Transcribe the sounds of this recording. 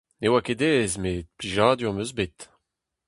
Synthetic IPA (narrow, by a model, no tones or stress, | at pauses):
newaked̪ɛːzmepliʒaːd̪yɔ̃møzbet̪